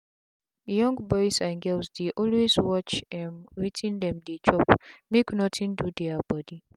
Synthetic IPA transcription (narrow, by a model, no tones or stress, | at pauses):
jɔ̃ŋɡbɔjsãnɡɛlsdeʔɔlweswɔt͡ʃɛ̃mwitʰĩndɛ̃mdet͡ʃɔpmeknɔtʰĩndudɛabɔdi